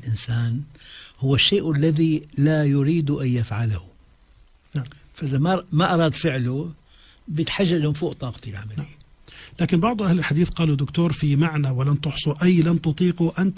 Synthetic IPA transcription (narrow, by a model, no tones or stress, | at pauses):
lʔɪnsaːnhʊwːaʃːeːʔalːaðilajʊɾiːd̪uʔajjafʕalahʊ | a | faʔɪzamamaʔɑɾˤɑːd̪fɪʕlu | bjɪt̪ħaʒːad͡ʒɪmfuːʔt̪ˤɑːqɑ̥t̪ilʕamaln | laːkɪnbɑʕd̪ˤʔahlɪlħad̪iːθqɑːlud̪ːʊkt̪oːɾˤfimaʕnawɪlant̪ʊħsˤuʔajlant̪ʊt̪ˤiːquʔant̪